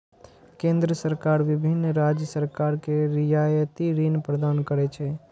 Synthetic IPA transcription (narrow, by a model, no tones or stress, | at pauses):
kẽnd̪ɾəsəɾkaɾʋibʱinːɾad͡ʒjəsəɾkaɾkeɾijajət̪iɾinpɾəd̪ankəɾɛt͡ʃʰɛ